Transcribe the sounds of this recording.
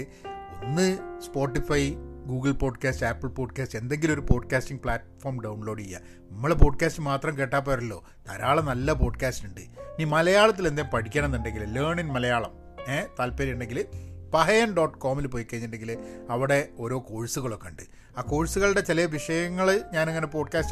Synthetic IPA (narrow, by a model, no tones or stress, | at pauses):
onːɨspo̞ːʈːifɐjɡuːɡɨɭpo̞ːɖkaːstaːpːɐɭpo̞ːɖkaːste̞nd̪e̞ŋɡilo̞ɾupo̞ːɖkaːstiŋɡpɭaːʈfoːrmɖɐwɳlo̞ːɖijːa̰ | nɐmːɐɭepo̞ːɖ̚kaːstɨmaːt̪rɐmke̞ːʈːaːp̬ːoːɐɾɐlːo̞̰ː | t̪ɐɾaːɭɐnɐlːɐp̬o̞ːɖkaːstuɳɖɨniːmɐlɐjaːɭɐt̪̬ːile̞nd̪ejmpɐʈʰikʲːaːɳɐenːuɳɖe̞ŋɡilleːɳinmɐlɐjaːɭɐ̰m | eːt̪ɐlpːɐɾijuɳɖe̞ŋɡilɨpɐɦɐjɐmɖo̞ːʈːko̞ːmilɨpoːjikːeɲːɨɳɖe̞ŋɡilɨɐʋiɽe̞o̞ːɾo̞ːko̞ːɻsuɣɐɭo̞kːeɳɖɨ | aːko̞ːɻsuɣɐɭɨɽe̞t͡ɕilɐʋiʂɐjɐŋːɐɭɲaːneŋːɐne̞po̞ːɖkaːst